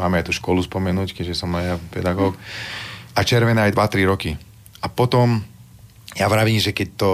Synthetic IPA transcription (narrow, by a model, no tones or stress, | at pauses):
maːmɛajt̪uːʃkɔluspɔmɛnuːckɛʒɛsɔmnajapɛ̰d̪aɡɔːk | at͡ʃɛɾʋɛnɛːajd̪ʋat̪ɾiɾɔki | apɔt̪ɔm | jaʋɾaʋiːmʒɛkɛc̚t̪ɔ